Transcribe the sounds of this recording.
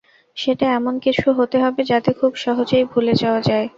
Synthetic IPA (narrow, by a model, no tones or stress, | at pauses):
ʃeʈaɛmonkit͡ɕʰuɦot̪eɦɔbed͡ʑat̪ekʰubʃɔɦot͡ɕojbʱulet͡ɕaoad͡ʑae